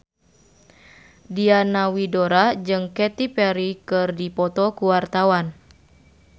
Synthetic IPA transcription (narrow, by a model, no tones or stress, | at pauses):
dianawidoɾad͡ʒɨŋkɛt̪ipɛɾikɨrdipɔt̪ɔkuwart̪awan